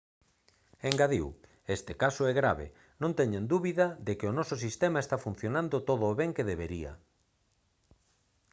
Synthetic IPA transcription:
eŋɡaðiw | est̪ekasoɛɣɾa̰βḛ | nõnt̪ɛɲãnd̪uβiðɐðekeonɔsʊs̬ist̪emaest̪afun̟θjonãnd̪ot̪oðʊːβɛŋkeðeβeɾiɐ̰

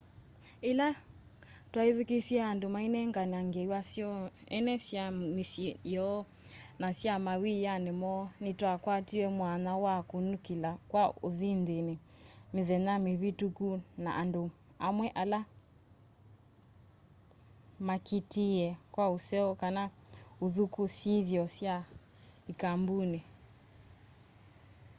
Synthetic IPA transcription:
ila | twaiðikisiaːndumainɛŋɡaniaŋɡɛiwasiɔɛ̰nɛsiamisijɔ | nasiamawijanimɔnitwakwatiwɛmwanawakunukilakwaoðindinimiðɛnamiβitukuna̰ʔandu | amwɛʔala | makitiɛkwausɛɔkanauðukusiðjɔsja | ikambuni

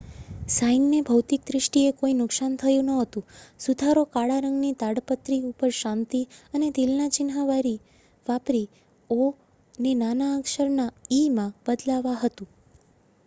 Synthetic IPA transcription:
saiŋɡnebʱəwt̪ik̚d̪ɾɪʃʈiekoinʊksant̪ʰəjũnəɦət̪ũsud̪ʱaɾokaɽaɾəŋɡnit̪aɽpət̪ɾiupəɾʃãnt̪iəned̪ilnat͡ʃɪnɦaʋaɾi | ʋapɾi | o | nenanaːkʃəɾnaimãb̥əd̪laʋaɦət̪ũ

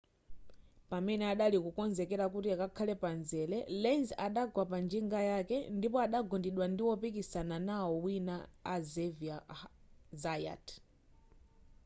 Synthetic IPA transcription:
pamɛnɛaɗalikukɔnzɛkɛɾakutiakakʰalɛpanzɛlɛlɛnzaɗaɡwapand͡ʒiŋɡajakɛndipɔaɗaɡɔndiɗwandiwɔpikisananawɔwinaːzɛvia | zaja̰tʰ

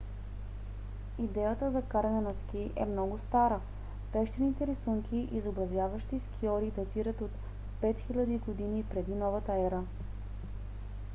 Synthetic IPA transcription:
id̪ɛjət̪əzɐkaɾɐnɛnɐsk̟iʔɛ̰mnɔɡʊst̪aɾə | pɛʃt̪ɛnit̪ɛɾisuŋkʲiʔizobɾɐzjavəʃt̪iskʲiɔɾid̪ɐt̪iɾət̪ot̪ | pɛt̪xilʲɐd̪iɡod̪inipɾɛd̪inɔvət̪əɛɾə

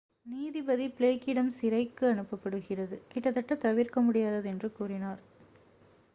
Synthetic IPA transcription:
niːðibɐðipɭeːkːɪɽɐmsɪɾɐɪkːɯɐɳɯpːɐpːɐɽɯɣɪrɐðɯkɪʈːɐt̪ːɐʈːɐt̪ɐʋɪɾkɐmʊɽɪjaːðɐðɛndrɯkuːrɪnaːɾ

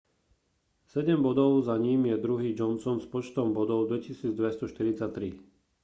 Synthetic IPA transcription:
sɛɟɛmbɔd̪ɔʊzaɲiːmjɛd̪ɾuɦiːd͡ʒɔnsɔnspɔt͡ʃt̪ɔmbɔd̪ɔʊd̪ʋɛcisiːd͡zd̪ʋɛst̪ɔʃt̪iɾit͡sat̪ːɾi

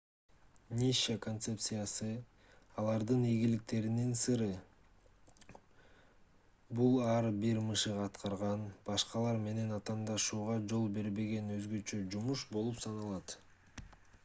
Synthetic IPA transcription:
nʲiʃako̞nt̪se̞pt̪sɨjasɯ | ɑlˠɑɾd̪ɯnijɡilik̚t̪e̞ɾininsɯɾɯ | bulˠɑɾbiɾmɯʃɯʁɑt̪qɑɾʁɑnb̥ɑʃqɑlˠɑɾme̞ne̞nɑt̪ɑːnd̪ɑʃuːʁɑd͡ʒo̞lˠbe̞ɾbe̞ɡe̞nø̞zɡø̞t͡ʃø̞d͡ʒumuʃbo̞lˠupsɑnɑlˠɑt̪

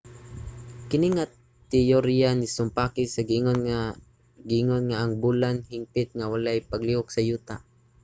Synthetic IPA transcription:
kɪniŋa | t̪ɪjoɾjanɪsʊmpakɪsaɡɪŋon | ɡɪʔɪŋonŋaʔaŋbulanhɪmpɪt̪̚ŋawalajpaɡliʊksajuːt̪aʔ

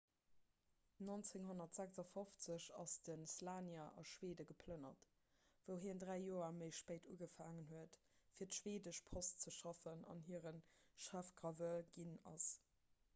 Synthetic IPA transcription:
nont͡seŋhonɐtz̥ækzɑfoft͡səɕɑsd̥ənslaːnjɐʔɑ̰ʃweːdəɡəpʰlənɐt | vəʊɦiːndʁæɪjoːɐməɪʃpeɪtṵːɡəfaːŋənɦuət | fiːɐtʃweːdəʃpʰost͡səʃɑfənɑ̰nɦiəʁənʃæfɡ̥ʁɑvəlɡinɑ̰s

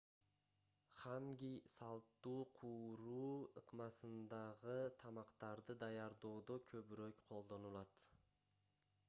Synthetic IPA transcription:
χaŋɡʲijsɑlˠt̪ːuːqʰuɾuːɯqmɑsɨnd̪ɑʁɨt̪ʰɑmɑqt̪ɑɾd̪ɨd̪ajɑɾd̪oːd̪okʲʰɵbɾøkʲqʰolˠd̪o̞nulˠɑt̪

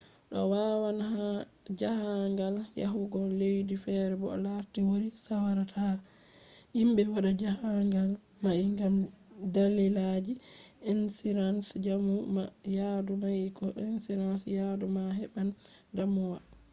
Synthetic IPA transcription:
ɗɔ̰wawanhad͡ʒahaŋɡalja̰ɦuɡɔlːejdifɛɾɛbɔ̰laɾtiwoɾisawaɾatʰa | himbɛwaɗad͡ʒahaŋɡal | maʔiŋɡamdalːilad͡ʒiʔɛnsiɾansd͡ʒamumjadumajikɔʔɛnsiɾansjadumaɦɛɓan | damuwa

